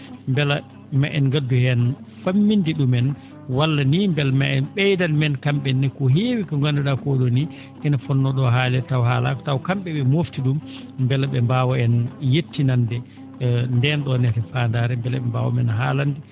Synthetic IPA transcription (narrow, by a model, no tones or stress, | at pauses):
mbɛla | maʔɛnɡadːuhɛn | famːindiɗumɛn | walːanimbɛlmaʔɛnɓɛjdanmɛnkamɓɛnːɛkɔɦeːwikɔŋɡandaɗakɔɗɔni | ʔinafɔnːɔɗɔɦaːlɛtawhaːla̰kɔ̥tawkamɓɛɓɛmoftiɗumː | bɛlaɓɛmbaːwɔɛnjetːinandɛ | ndɛnɗɔnɛtɛfaːndaːɾɛmbɛlaɓɛmba̰wɔ̰mɛ̰nɦaːlandi